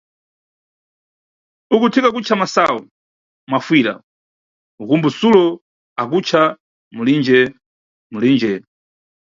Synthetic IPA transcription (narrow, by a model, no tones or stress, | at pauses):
ukutʰikak̬ut͡ʃʰamasawɔ | mafwiːɾa̰ | ukumbusulɔ | ak̬ut͡ʃʰa | mulind͡ʒɛ | mulind͡ʒɛ